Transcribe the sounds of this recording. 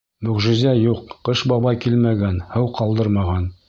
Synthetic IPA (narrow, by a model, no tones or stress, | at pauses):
mɵ̆ʁʒɘ̆zæjuqːɤʃbɑβɑjkilmæɡænhɤwqɑlˠd̪ɤɾmɑʁɑn